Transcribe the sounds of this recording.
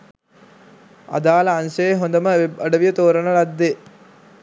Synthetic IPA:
ɐ̰d̪aːlɐːnsɐeɦond̪ɐməəɖɐʋijət̪oːɾɐnɐlɐd̪ːe

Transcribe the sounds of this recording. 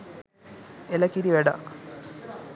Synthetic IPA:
elɐkiɾiʋæɖa̰k

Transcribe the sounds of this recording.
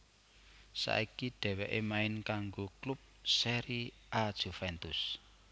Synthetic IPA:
sa̰ʔikiɖ̪̥ɛ̤wɛʔemaɪnkaŋɡoklup̚sɛɾi | ʔad̥ʒ̥ṳfɛnt̪ʊs

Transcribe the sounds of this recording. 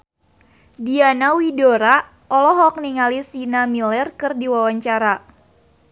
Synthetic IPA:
dianawidoɾa | ʔɔlɔɦɔk̚niŋalisinamilɛrkɨrdiwawaɲt͡ʃaɾa

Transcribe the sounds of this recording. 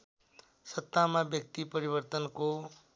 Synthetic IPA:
sʌt̪ːamabjʌkt̪ipʌɾibʌrt̪ʌnko

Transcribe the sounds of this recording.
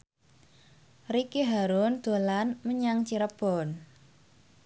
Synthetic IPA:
rikeɦaɾʊnd̪̥o̤lanməɲaŋt͡ʃiɾəb̥ɔn

